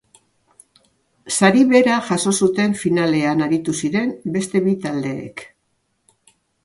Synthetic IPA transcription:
saɾiβe̞ɾaʝaso̞sut̪e̞ɱfinale̞anaɾit̪usiɾe̞mbe̞st̪e̞βit̪ald̪e̞̰ːk

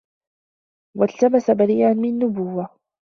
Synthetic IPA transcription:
walt̪abasabaɾiːʔanmɪnːʊbʊwːa

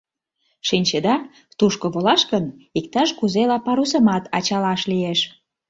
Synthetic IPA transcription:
ʃinʲt͡ɕed̪ɑ | t̪uʃkoβolɑʃkənik̚t̪ɑʃkuzelɑpɑɾus̬ə̆mɑt̪ɑt͡ɕɑlɑʃlieʃ

